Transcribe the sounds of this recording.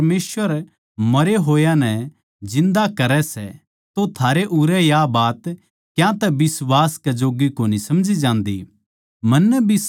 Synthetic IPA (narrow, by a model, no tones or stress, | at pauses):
meːsʋəɾ | mɐɾeɦoːjãnɛ | d͡ʒɪ̃nd̪akɐɾɛsɛ̰ | t̪ot̪ʰaːɾeʔuɾɛjabaːt̪ | kjãt̪ɛbɪswaːskɛd͡ʒoːɡikoːnisɐmd͡ʒid͡ʒãːnd̪ḭ | mɐnːɛbʱis